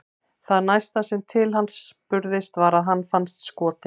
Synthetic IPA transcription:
θaðnajst̪asɛmt̪ʰɪlɦanspʏɾðɪst̪vaɾaðɦanːfanst̪skɔːt̪ɪ

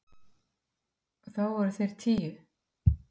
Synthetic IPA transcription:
ɔθawvaɾʏθejɾ̥t̪ʰiːjʏ

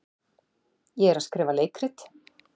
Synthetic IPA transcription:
jɛɛɾað̥skɾɛːvaleːjkɾɪt̪

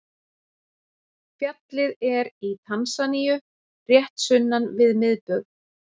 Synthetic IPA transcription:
fjat̪lɪðɛɾit̪ʰansanijʏ | rjɛht̪sʏnːanvɪðmɪðpʏɣ

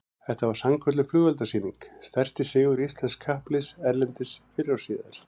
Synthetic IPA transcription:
θɛht̪avaɾ̥samkʰœt̪lʏflʏɣvɛlt̪asiːniŋkst̪ɛr̥st̪ɪsɪːɣʏɾist̪lɛnskʰːahplɪsɛɾlɛnt̪ɪsfɪɾawsiːða̰ɾ̥

